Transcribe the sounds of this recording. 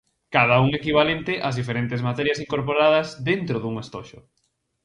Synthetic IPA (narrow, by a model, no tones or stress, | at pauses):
kað̞ɐuŋekiβ̞alent̪ɪʔazðifeɾent̪ɪzmat̪ɛɾjɐsiŋkoɾpoɾað̞ɐzðent̪ɾʊðuŋest̪ɔʃʊ̰